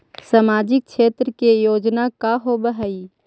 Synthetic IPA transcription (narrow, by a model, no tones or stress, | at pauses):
samaːd͡ʒɪk̚ʃeːt̪ɾəkejoːd͡ʒnakaɦobəɦəi